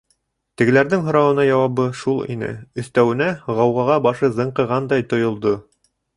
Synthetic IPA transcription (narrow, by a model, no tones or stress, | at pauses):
t̪ɘ̆ɡɘ̆læɾðɘŋɦŏɾɑwɤ̆nɑjɑwɑβɤʃulˠḭnɘ̰ɵ̆θt̪æwɘ̆næʁɑwʁɑʁɑbɑʃɤzɤ̆ɴqɤ̆ʁɑnd̪ɑjt̪ŏjŏlˠd̪o